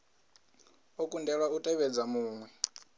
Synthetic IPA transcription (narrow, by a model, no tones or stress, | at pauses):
okʼundɛɺwautʼɛβɛd͡zamuːŋwɛ